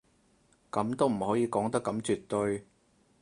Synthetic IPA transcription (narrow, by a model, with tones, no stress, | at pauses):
kɐ˨˥mt̪o˥wm̩˨˩hɔː˨˥jiː˨˧kɔː˨˥ŋt̪ɐ˥kːɐ˨˧˥mt͡ʃyː˨t̪ːɵ˧ɥ